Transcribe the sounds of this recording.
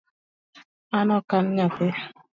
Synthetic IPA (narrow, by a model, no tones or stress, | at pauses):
anɔkan̩ɲatɪ